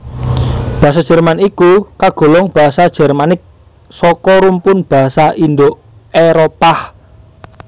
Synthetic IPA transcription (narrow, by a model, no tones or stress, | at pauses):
b̥a̤asad̥ʒ̥ɛ̤rmanikukaɡ̥o̤lɔŋb̥a̤ɦasad̥ʒ̥ɛ̤rmanɪk̚ | sɔkɔɾumpʊnb̥a̤ɦasaʔind̪o | eɾopah